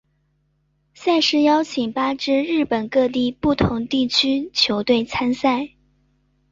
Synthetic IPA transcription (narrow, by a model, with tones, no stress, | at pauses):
sa˥˧ʂɻ̩˥˧jɑ˥ʊt͡ɕʰi˨˩ŋpa˥ʈ͡ʂɻ̩˥ɻɻ̩˥˩pə˨˩nkɤ˥˧t̪̬i˥˧pu˥˩t̪ʰʊ˧˥ŋt̪i˥˩t͡ɕʰy˥t͡ɕʰjo˧˥ʊt̪we˥˩ɪt͡sʰa˥nsa˥˩ɪ